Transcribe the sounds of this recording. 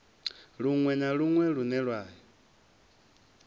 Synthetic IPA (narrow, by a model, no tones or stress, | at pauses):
ɺuŋwɛnaɺuŋwɛɺunɛɺwaːɦi